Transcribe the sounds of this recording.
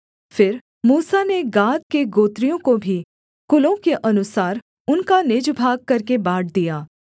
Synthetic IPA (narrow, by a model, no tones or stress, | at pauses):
fɪɾ | muːsaneɡaːd̪̚keɡoːt̪ɾijõkobʱi | kʊlõkeʔɐnʊsaːɾ | ʊnkanɪd͡ʒbʱaːɡ̚kɐɾkebaːʈd̪ijaː